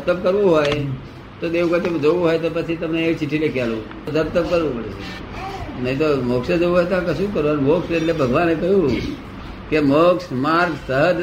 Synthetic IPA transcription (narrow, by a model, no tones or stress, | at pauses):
ət̪əpkəɾʋũɦoj | t̪od̪eʋkət̪emd͡ʒoʋũɦojt̪opət͡ʃʰit̪əmneːkt͡ʃiʈʰilekjalũ | d̪ʱəɾt̪əp̚kəɾʋũpəɽet͡ʃʰḛ | nəɦĩt̪omoksed͡ʒoʋũɦɔjt̪oãkəʃũkəɾʋũənmokseʈlebʱəɡʋanekəɦjũ | kemoksmaɾɡsəɦəd͡ʒ